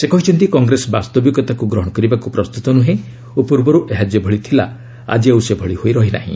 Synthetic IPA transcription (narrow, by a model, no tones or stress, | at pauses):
sekɔɦit͡ʃʰɔnt̪ikɔŋɡɾesɔbast̪ɔbjɔɡɔt̪akuɡɾɔɦɔɽɔkɔɾibakupɾɔst̪ut̪ɔnuɦe | opuɾbɔɾuʔeɦad͡ʒjɔbʱɔɭit̪ʰila̰ | a̰d͡ʒiawsebʱɔɭihojɾɔɦina̰ɦḭ̃